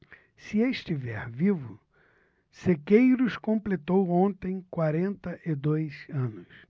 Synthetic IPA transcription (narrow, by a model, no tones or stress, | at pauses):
sɪeʃt͡ʃivɛ̰ɾvivʊ | sekejɾʊskõmplet̪owõnt̪ẽj̃kwaɾẽnt̪ɐʔɪd̪ojsɐ̃nʊs